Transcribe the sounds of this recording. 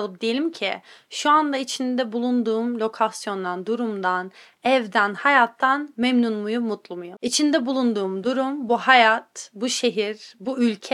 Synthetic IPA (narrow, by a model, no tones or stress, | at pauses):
lˠɯp̚d̪ejelʲimcʰḭʃuand̪ait͡ʃʰind̪ɛbulˠund̪uːmlʲo̞kʰasjo̞nd̪and̪uɾumd̪an | ɛvd̪ænhajat̪ʰːanmɛmnunmujumut̪ʰlˠumujuit͡ʃʰind̪ɛbulˠund̪uːmd̪uɾumbuhajat̪buʃe̞ɦiɾbuylʲcʰɛ